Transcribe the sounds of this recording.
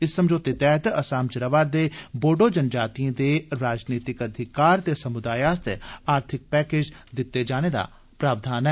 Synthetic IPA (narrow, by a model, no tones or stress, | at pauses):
ɪsːəmd͡ʒoːt̪it̪ɛːɦt̪əsaːmt͡ʃəɾəʋaːɾd̪eːboːɖoːd͡ʒənd͡ʒaːt̪iãːd̪eːɾaːd͡ʒniːt̪ɪkəd̪ʱɪkaːɾt̪eːsəmʊd̪aːjaːst̪ḛaːɾt̪ʰɪk̚pɛːkeːd͡ʒd̪ɪt̪ːed͡ʒaːneːd̪a̰ː | pɾaːʋd̪aːnɛː